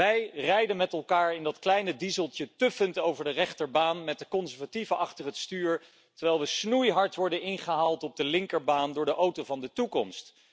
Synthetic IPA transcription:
ɛjrɛjdənmɛtɛlˠkaːɹɪndɑtklɛjnədizəlˠtjətɵfəntowvəɹdərɛχtəɹbaːnmɛt̚dəkɔnzɛɹvativəʔɑχtərətstyːɹ | təɹʋɛjlˠʋəsnujɦɑɹtʋɔɹdənɪnχəɦalˠtɔb̚dəlɪŋkəɹbaːndʊːɹdəʔowtovɑndətukɔmst

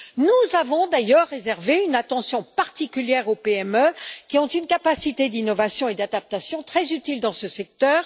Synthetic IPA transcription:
nuzavɔ̃d̪ajœʁːezɛʁveynat̪ɑ̃sjɔ̃paʁt̪ikʲyljɛʁopeɛmøkʲiɔ̃t̪ynkapasit̪ed̪inɔvasjɔ̃ed̪ad̪ap̚t̪asjɔ̃t̪χɛzyt̪ild̪ɑ̃səsɛk̚t̪œːʁ

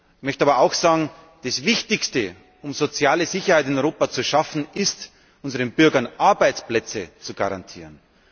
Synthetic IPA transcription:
mœçtaːbɐaʊxsaːɡŋ̩ | d̥asvɪçtɪçstə | ʊmzot͡sjaːləzɪçɐhaɪtɪnɔʏʁoːpat͡suʃafn̩ɪst | ʔʊnzəʁənbʏɐɡɐnʔaɐbaɪt͡splɛt͡sət͡suɡaʁa̰ntʰḭːʁən

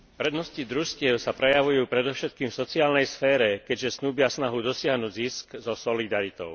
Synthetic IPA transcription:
pɾɛd̪nɔscid̪ɾuʃcɪɛʊsapɾɛjaʋujuːpɾɛd̪ɔʊʃɛt̪̚kiːmfsɔt͡siaːlnɛjsfɛːɾɛkɛɟʒɛsnuːbɪasnaɦud̪ɔsɪaɦnuːɟziskzɔsɔlid̪aɾit̪ɔʊ

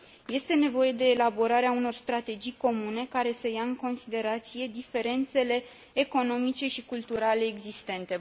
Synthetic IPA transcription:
je̞st̪e̞ne̞vo̞je̞d̪e̞ːlabo̞ɾaɾeauno̞rst̪ɾat̪e̞d͡ʒijko̞mune̞kaɾe̞səjaɨŋko̞nsid̪e̞ɾat̪sije̞d̪ife̞ɾe̞nt̪se̞le̞ː | ko̞no̞mit͡ʃe̞ʃikult̪uɾale̞ːɡzist̪e̞nt̪e̞

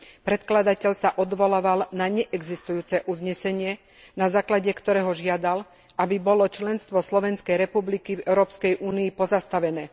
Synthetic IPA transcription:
pɾɛt̪klad̪acɛʎsaʔɔd̪ʋɔlaʋalnaɲɛʔɛɡzist̪ujuːt͡sɛʔuzɲɛsɛɲɪɛ | nazaːklaɟɛkt̪ɔɾɛːɦɔʒɪad̪al | ʔabibɔlɔt͡ʃlɛnst̪ʋɔslɔʋɛnskɛjɾɛpublikivɛʊɾɔːpskɛjʔuːniːpɔzast̪aʋɛnɛː

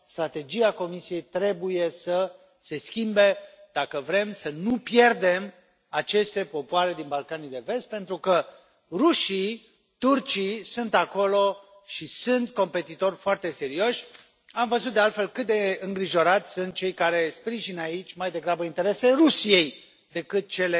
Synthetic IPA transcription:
st̪ɾat̪e̞d͡ʒijako̞misije̞jt̪ɾe̞buje̞sə | se̞skʲimbe̞d̪̥akəvɾe̞msənupje̞rd̪e̞m | at͡ʃe̞st̪e̞po̞poaɾe̞d̪inbalkanijd̪e̞ve̞st̪̚pe̞nt̪ɾukə | ruʃi | t̪urt͡ʃijsunt̪ako̞lo̞ | ʃisɨnt̪ko̞mpe̞t̪it̪o̞rʲfoart̪e̞se̞ɾio̞ʃʲ | amvəzut̪̚d̪ealt̪fe̞lkɨt̪̚d̪e̞ɨŋɡɾiʒo̞ɾat̪sʲsunt̪̚t͡ʃe̞jkaɾe̞spɾiʒinait͡ʃʲmajd̪e̞ɡɾabəint̪e̞ɾe̞seɾusijej | d̪e̞kɨt̪̚t͡ʃe̞le

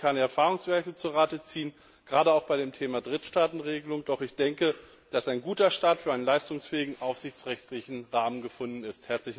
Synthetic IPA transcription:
kʰandɛɐfaːʁʊŋsv̥ɛɐkət͡suːɐʁaːtət͡siːən | ɡ̥ʁaːɾəaʊxb̥aɪɾeːmtʰeːmadʁɪtʃtaːtn̩ʁeːɡəlʊŋd̥ɔχɪçd̥ɛŋkə | d̥asaɪnɡuːtɐʃtaːtfyːɐʔaɪənlaɪstʊŋsfɛːɪɡŋ̩ʔaʊfz̥ɪçt͡sʁɛçtlɪçn̩ʁaːmənɡəfʊndn̩ɪsthɛɐt͡slɪç

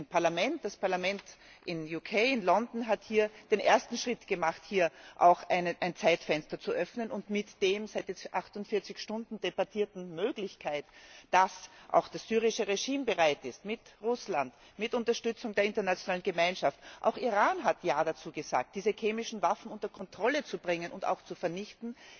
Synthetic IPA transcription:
npʰaɐlamɛntd̥aspʰaɐlamɛnt | ʔɪnjuːkʰeɪɪnlɔndn̩ɦathiːɐd̥enʔeːɐstn̩ʃʁ̥ɪtɡ̥əmaχthiːɐʔa̰ʊxaɪnʔaɪnt͡saɪtfɛnstɐt͡suʔœfnənʊntmɪtd̥eːmsaɪtjɛt͡sʔaxtʊntfɪɐt͡sɪçʃtʊndn̩d̥ebaɐtʰiːɐtn̩møːɡlɪçkʰaɪtd̥asʔa̰ʊxd̥asz̥yːʁ̞ɪʃəʁeʒiːmbəʁaɪtɪstmɪtʁʊslant | mɪtʊntɐʃtʏt͡sʊŋdeːɐɪntɐnat͡sjonaːlənɡəmaɪnʃaftʔa̰ʊxiʁaːnɦatjaːdat͡suːɡəza̰ːk̚t̚d̥iːzəkʰeːmɪʃn̩vafn̩ʊntɐkʰɔntʁ̥ɔlət͡subʁɪŋənʔʊnta̰ʊxt͡sufɛɐnɪçtn̩

